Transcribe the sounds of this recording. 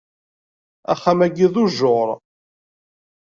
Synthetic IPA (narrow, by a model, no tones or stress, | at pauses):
æ̰χːæmæɡiðˤʊʒoɾˤ